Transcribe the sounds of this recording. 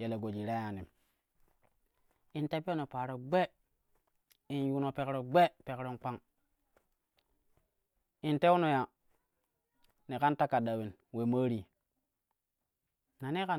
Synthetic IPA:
je˨le˨ɡo˨d͡ʒi˨ɾa˦ja˨ni˨m | i˨nte˦po˦no˨paː˨ɾo˨ɡ͡be˦ | i˨nju˦no˨pe˨kɾo˨ɡ͡be˦pe˨kɾo˦ŋk͡pa˦ŋ | i˨nte˦u˦no˨ja˨ | ne˨ka˦nta˦ka˨da˨wi˨n | we˨ma˦ɾi˨ | na˨ne˦ka˨

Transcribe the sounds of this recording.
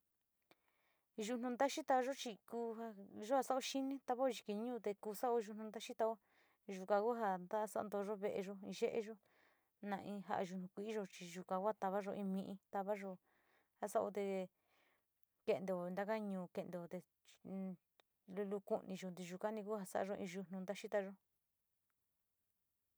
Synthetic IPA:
ʒu˧nũ˧nd̪a˦ʃi˦t̪a˧βa˧ʒo˦t͡ʃi˧kuː˧a˧ʒo˦ha˧sa˦ʔo˦ʃi˦nĩ˦t̪a˧βa˦o˧ʒi˧ki˧ɲũː˦˧t̪e˧kuː˧sa˦ʔo˧ʒu˧nũ˧nd̪a˦ʃi˦t̪a˧o˦ | ʒu˧˨kã˧ku˦ɦa˧nd̪a˦˧sa̰˦˧nd̪o˧ʒo˦βe˧ʔe˧ʒo˦ĩ˧ʒe˦ʔḛ˧ʒo˦ | nã˧ʔĩ˧ɦa̰˧ʔa̰˧ʒu˧nũ˧kʷi˧ʔi˦ʒo˧t͡ʃi˧ʒu˧kã˧ku˦a˦˧t̪a˧βa˦ʒo˧ĩ˧mĩ˧ʔĩ˧t̪a˧βa˦ʒo˧ | ha˧sa˦ʔo̰˧t̪̬e˧ | ke˧nd̪e˧˨o˧˨˧nd̪a˧ka˦˧ɲũː˧˨ke˧nd̪e˧˨o˧t̪e˧ | lu˧lu˧ku˧nʔĩ˧ʒo˧nd̪̬i˧ʒu˧ka˦nĩ˧ku˦ha˧sa̰˦ʔa̰˧ʒo˧ʔḭ̃˧ʒu˧n̥ũ˧nd̪a˦ʃi˦t̪a˧ʒo˦

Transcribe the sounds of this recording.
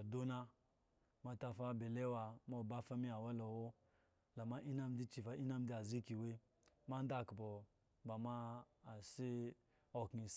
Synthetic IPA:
do˦na˦ | ma˨ta˧fa˦be˨le˦wa˨ma˦˨ba˦fa˦mi˦a˨wa˦lo˨wo˦ | la˨ma˦ʔi˦na˦m˦di˦t͡ʃi˨fa˨˦ʔi˦na˦m˦di˦a˨zi˦ki˨we˦ | ma˦n˦da˦˨kbo˨ | ba˨maː˦˨si˦ | o˨ki˨s

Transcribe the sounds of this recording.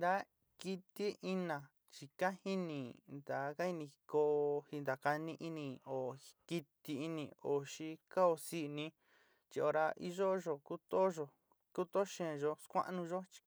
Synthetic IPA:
nd̪a˦ | ki˧t̪i˦ʔi˦nã˨ | t͡ʃi˧ka˦hi˦nĩ˨nd̪a˨ka˦i˧nĩ˧ko˧hi˧nd̪a˨ka˧nĩ˧ʔi˦nĩ˧o˨ki˧t̪i˧i˧˦nĩ˨o˨ʃi˧ka˦o˧si˦˧nĩ˦ | t͡ʃi˧o˧ɾa˧ʔḭ˦˧ʒo˦ʒo˨ku˦t̪o˦ʒo˨ | ku˦t̪o˦ʃẽ˦˧˨ʒo˧skʷã̰˦ʔnũ˧ʒo˦t͡ʃi̥˧

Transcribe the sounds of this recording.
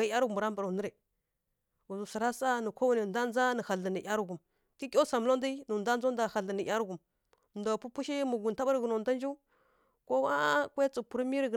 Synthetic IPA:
a˨˦a˦ɾɡu˨mu˨ɾa˦mba˨ɾnə˦ɾe˨ | u˨zu˨sa˨ɾa˦sa˦nə˨kʷo˦wni˨da˦n˦d͡za˦nə˨ha˨ɮə˨nə˨ʔʲja˦ɾu˦ɡu˨m | ki˦kʲo˦sa˨m˦lo˦n˦di˦nu˨nda˦n˦zo˦nda˨ha˨ɮə˨nə˨ja˦ɾu˦ɡu˨m˨ | nda˨pu˦pu˦ʃi˦mu˨ɡu˨n˨ta˦ba˦ɾɡə˨no˨da˦nd͡ʒi˦ | ko˦wa˦kʷe˦t͡su˨pu˨ɾmi˦ɾə˦ɡ

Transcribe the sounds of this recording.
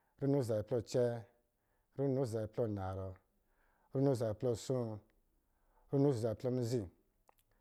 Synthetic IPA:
ɾu˦nu˦˨za˨i˨plɔ˦˧˨t͡ʃɛ˦ | ɾu˦nu˦˨za˨i˨plɔ˦˨na˨ɾɔ˨ | ɾu˦nu˦˨za˨i˨plɔ˦˧˨sũ˦ | ɾu˦nu˦˨za˨i˨plɔ˦mi˦zi˦˨

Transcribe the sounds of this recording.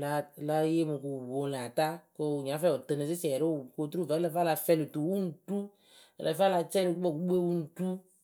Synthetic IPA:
la˧˨la˧˦je˦mo˨ko˨bo˨˦la˨ta˦ko˦˨ɲ˨ã˨˦fɛ˦˨ɔ˨te˨ne˨sɪ˦si˨ɛ˨ɾo˦˨ko˧t̪ɾu˦˨vɛ˨˦ɛ˧˨fa˦la˧fɛ˧˨li˨tu˨wu˦n̩˨tu˦ | ɛ̰˨lʔɛ˨fa˦la˧t͡ʃɛ˦li˨˦ɔ˦˨ku˨˦ɡ͡be˦wu˦n̩˨tu˦

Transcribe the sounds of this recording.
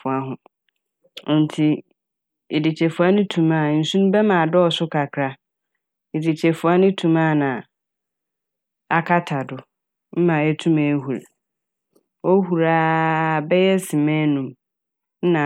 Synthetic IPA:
ʊ˨a˦ɦʊ̃˨ | n̩˨tʰi˨ | ɪ˨di˨t͡ɕʰɛ˨fʊ˨a˦nʊ̃˦tʰũ˨mã˦˨n̩˨sũ˦nʊ̃˦bɛ˦mã˨dɔ˦ɔ˨sʊ˦kʰa˨kʰɾa˦ | ɪ˨di˨t͡ɕʰɛ˨fʊ˨a˦nʊ̃˦tʰũ˨ma˦˨nã˨ | a˦˨kʰa˦tʰa˨dʊ˨ | m̩˦mã˨ɛ˦tʰũ˦mɛ̃˨˦hu˨ɾ | wɔ˦hu˨ɾaː˦bɛ˦jɛ˦sɪ˨mɛ̃˦nũ˨m̩˦ | nã˨

